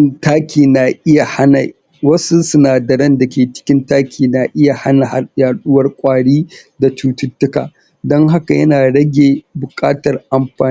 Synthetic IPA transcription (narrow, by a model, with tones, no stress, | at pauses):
taː˦kʲiː˨naː˨ʔɪ˦ja˨ha˦na̰˨ | wɐ˦su˦sʊ˦naː˨dɐ˨ɽɐ˦nda˨kʲeː˨t͡ʃɪ̥˦kʲɪ˦ntaː˦kʲʰiː˨na˨ʔɪ˦ja˨ha˦na˨ha˨jaː˨ɗʊ˦wɐ˦rkʷʼaː˨ɽiː˦da˨t͡ʃuː˦tʊ˦tːʊ˦ka̰ː˨ | dɔ˦ŋɦa˦ka˨jɐ˦naː˨ɽɐ˦ɡʲeː˨bʊ˨kʼaː˦tɐ˨rʔa˨mɸaː˨˦